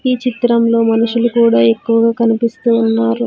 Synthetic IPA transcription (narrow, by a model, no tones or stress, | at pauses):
kiːt͡ʃit̪ɾɐmlo̞ːmɐnuʂulukuːɽaːe̞kːuʋɐɡaːkɐnipist̪uːnːaːɾu